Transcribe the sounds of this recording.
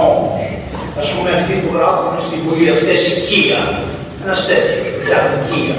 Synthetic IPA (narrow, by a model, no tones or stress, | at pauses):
omos | ɐspumeɐft̪it̪ulɐfunest̪ivuliɐft̪esiciɐ | enɐst̪et̪iospuʎɐneciɐ